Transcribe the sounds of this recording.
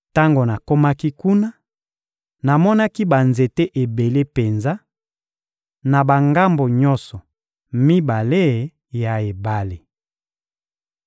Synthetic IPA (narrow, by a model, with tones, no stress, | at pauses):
ta˦ŋɡo˨na˨ko˦ma˦ki˦ku˦na˦ | na˨mɔ˦na˦ki˦ba˨nze˨te˦ʔe˨be˨le˦pe˨nza˦ | na˨ba˨ŋɡa˦mbo˨ɲɔ˦nsɔ˨ | mi˦ba˨le˦˨ | ja˨e˨ba˨le˨